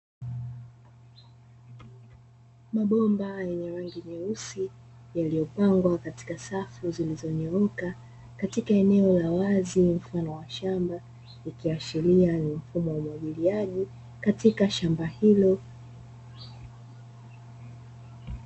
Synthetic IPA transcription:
maɓɔmbajɛɲɛɾaŋɡiɲɛusi | jalijɔpaŋɡwakati̥kasafuzilizɔɲɔɔka | katikaɛnɛɔlawazim̩fanɔwaʃamba | ikiaʃilianim̩fumɔwaumwaʄiliaʄi | katikaʃambahilɔ

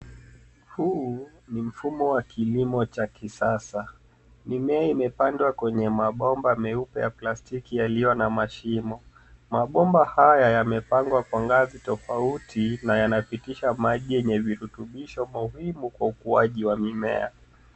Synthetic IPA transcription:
huː | nim̩fumɔwakʰilimɔt͡ʃakisasa | mimɛaimɛpandwakwɛɲɛmaɓɔmbamɛupɛjaplastikijalijɔnamaʃimɔ | maɓɔmbahajajamɛpaŋɡwakwaŋɡazitɔfautʰinajanapitiʃamaʄijɛɲɛviɾutuɓiʃɔmuhimukwaukuaʄiwamimɛ̰a

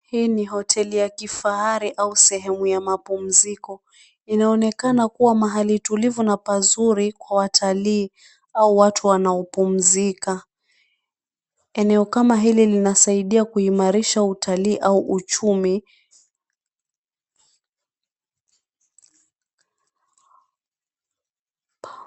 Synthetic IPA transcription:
hiːniɦɔtʰɛlijakifaaɾiʔausɛɦɛmujamapum̩zikɔ | inaɔnɛkanakuwamaɦalitulivunapazuɾikwawatʰaliː | auwatʰuwanaɔpum̩zika | ɛnɛɔkamaɦililinasaiɗiakuimaɾiʃautʰaliːʔauʔut͡ʃumi

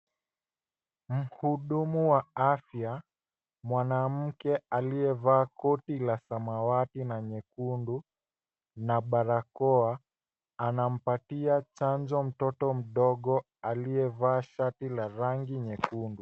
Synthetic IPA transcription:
m̩huɗumuwaafja | mwanam̩kɛaliɛvaːkɔtilasamawatinaɲɛkundu | naɓaɾakɔa | anam̩patiat͡ʃand͡ʒɔm̩tɔtɔm̩ɗɔɠɔ | alijɛvaːʃatilaɾaŋɡiɲɛkundu

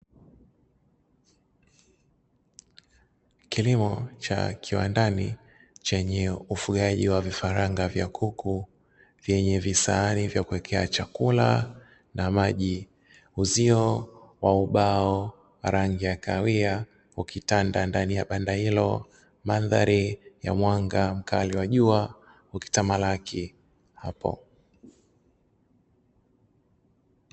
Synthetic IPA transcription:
kilimɔt͡ʃa̰kʰiwa̰ndani | t͡ʃɛɲɛufuɠaʄiwavifaɾaŋɡavjakʰukʰu | vjɛɲɛvisaːnivjakuwɛkʰɛat͡ʃakula | namaʄi | uziɔwauɓaɔ | waɾaŋɡijakawia | hukitandandanijaɓandahilɔ | manðaɾija̰mwaŋɡam̩kaliwaʄua | huki̥tamalakʰi | hapɔ̰

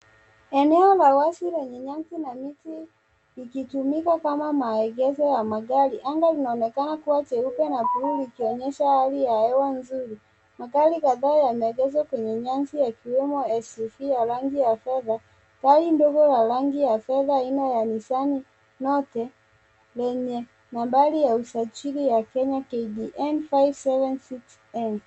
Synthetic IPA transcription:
ɛnɛɔlawasilɛɲɛɲaŋsinamiti | likitumikakamamaɛɡɛzɔjamaɡaliʔaŋɡalinaɔnɛkanakuwat͡ʃɛupɛnapuulikiɔɲɛʃahalijaɛwanzuɾi | maɡaɾikaðaːjamɛɛɡɛzwakwɛɲɛɲaŋsijakiwɛmɔɛsɛfijaɾaŋɡijafɛða | kalindɔɡɔlaɾaŋɡijafɛðainɔjanisani | nɔtɛ | lɛɲɛ | nambalijausat͡ʃiɾijakɛɲakɛɡiʔɛnfajvsɛvɛnsiks | ɛn

